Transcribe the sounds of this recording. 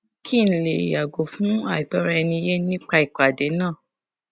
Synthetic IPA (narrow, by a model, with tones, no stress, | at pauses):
kʰi˦˨n̩˦le˨i˨ja˨ɡo˨fũ˦a˦˨i˨k͡pɛ˨˦ɾɛ˧ɛ˧nĩ˧i˧je˦nĩ˦k͡pa˧i˨k͡pa˨de˨˦nã˦˨